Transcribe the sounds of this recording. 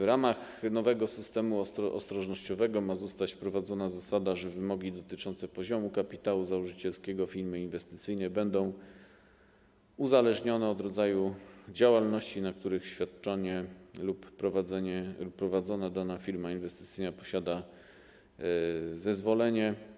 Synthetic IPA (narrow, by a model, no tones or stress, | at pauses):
vɾamaxnɔvɛɡɔsɘst̪ɛmuʔɔ̰st̪ɾɔʐnɔɕt͡ɕɔvɛɡɔmazɔst̪at͡ɕfpɾɔvad̪zɔnazasad̪aʐɛvɘmɔɡʲid̪ɔt̪ɘt͡ʂɔnt̪sɛpɔʑɔmukapʲit̪awuzawɔʐɘt͡ɕɛlskʲɛɡɔfʲiɾmɘinvɛst̪ɘ̥t̪sɘjnɛbɛnd̪ɔ̃w̃ | uzalɛʐɲɔnɛɔd̪ɾɔd̪zajud͡ʑawalnɔɕt͡ɕinak̚t̪uɾɘxɕfʲjat̪̚t͡ʂɔɲɛlupːɾɔvad̪zɛɲɛlupːɾɔvad̪zɔnad̪anafʲiɾmainvɛst̪ɘ̥t̪sɘjnapɔɕad̪a | zɛzvɔlɛɲɛ